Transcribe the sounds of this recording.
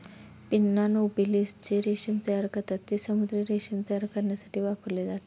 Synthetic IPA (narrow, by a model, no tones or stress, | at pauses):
pinːaːnuubilist͡ʃiɾeːʃimt̪ɐjaɾɐkɐt̪ɐt̪ːisɐmud̪ɾiɾeːʃimt̪ɐjaɾɐkɐɾnɐsɐ̥ʈiʋaːpulid̪at̪i̥